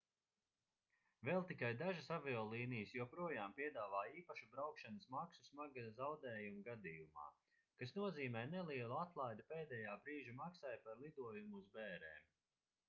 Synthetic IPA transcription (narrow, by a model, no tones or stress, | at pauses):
vɛːlˠt̪ikajd̪aʒasavɛɔlˠiːnijəsjuɔpɾuɔjaːmpiɛd̪aːvaːiːpaʃubɾawkʃanəsmaksusmaɡazawd̪ɛːjumɡad̪iːjuma̰ː | kasnuɔziːmɛːnɛlˠiɛlˠuat̪lˠajd̪upeːd̪ɛːjaːbɾiːʒimaksajpaɾlˠid̪uɔjumuuzbɛːɾɛːm